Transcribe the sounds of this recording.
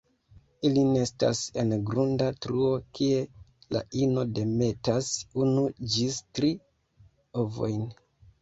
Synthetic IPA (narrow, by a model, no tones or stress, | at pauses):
iline̞sta̰se̞nɡɾundatɾuo̞kʰie̞la̰ʔinode̞me̞tasunud͡ʒistɾi | ovo̞jn